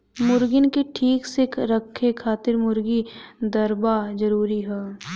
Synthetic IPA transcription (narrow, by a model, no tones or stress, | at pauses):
mʊɾɡɪnkeʈʰiːksɪkʰɾɐkʰːekʰaːt̪ɪɾmʊɾɡid̪ɐɾbad͡ʒɐɾuːɾiɦɛː